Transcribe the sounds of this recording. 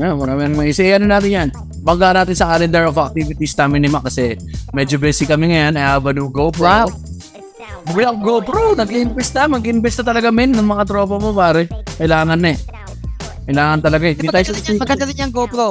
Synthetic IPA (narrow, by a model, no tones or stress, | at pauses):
jawɐkamɪnɐŋmɐʔɪsɪjɐnɐnaːt̪ɪnjan | bɐŋɡanaːt̪ɪnsɐkaːlɛnd̪ɛɹovɐk̚t̪ivɪt̪isnaːmɪnɪmakɐsɛmɛd͡ʒobɛsɪkːɐmɛŋɐjanɐjaːbɐnʊŋɡopɾaw | wɪɐŋɡopɾonɐɡɪʔɪnbɛst̪ɐmɐɡɪʔɪnbɛst̪ɐt̪ɐlɐɡamɛnːɐŋmɐŋat̪ɾo̞ːpɐmopaːɾɛkɐɪlaːŋɐnːɛ | kkɐjlaːŋɐnt̪ɐlɐɡaɛd̪iajɐkɐdɐlɪɲɐŋɡopɾo